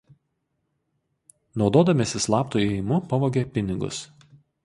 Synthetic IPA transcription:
nɒʊd̪oːd̪ɐmʲesʲɪslˠɑːpt̪uɛɪmʊpɐʋoːɡʲepʲɪnʲɪɡʊ̰s

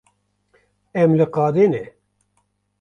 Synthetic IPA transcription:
ɛmlɨqɑːd̪eːnɛ

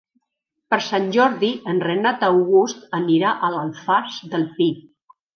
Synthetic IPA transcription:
pəɾsanʲʒɔɾðiənrənat̪əwɣust̪əniɾaʔələlˠfazd̪əlˠpi

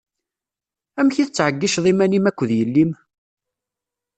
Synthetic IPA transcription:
æmçiθət͡sːʕəɡːiʃðˤimænimækʷːəðjəlːim

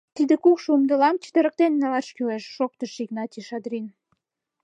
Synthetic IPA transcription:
t̪id̪ĕkukʃumd̪ɤ̆lɑmt͡ɕə̥t̪ĕɾə̆k̚t̪enːɑlɑʃkyleʃːok̚t̪əʃiɡnɑt̪ʲiʃɑd̪ɾin

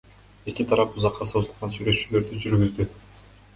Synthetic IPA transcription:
e̞kʲit̪ʰɑɾɑpuzɑqːɑsozulˠʁɑnsyjɾe̞t͡ʃylø̞ɾd̪yd͡ʒyɾɡyzd̪y

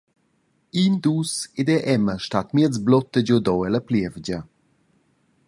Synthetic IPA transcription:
ind̪used̪ɛʔɛməʃtat̪miət͡sblɔt̪ːəd͡ʑɔd̪ɔwɛləpljɛvd͡ʑə

